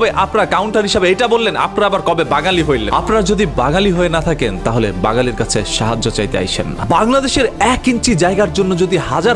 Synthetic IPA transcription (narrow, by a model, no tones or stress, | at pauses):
beʔapnaɾkawɳʈaɾɦiʃabeejʈabolːena̰pnaɾabaɾkɔbebaɡaliɦojlḛnapnaɾd͡ʑod̪ibaŋaliɦoenat̪ʰakent̪aɦolebaŋaliɾkat͡ɕʰeʃaɦad͡ʑːot͡ɕajt̪ea̰jt͡ɕʰḛnːa̰baŋlad̪eʃeɾɛkint͡ɕid͡ʑaeɡaɾd͡ʑonːod͡ʑod̪ihad͡ʑa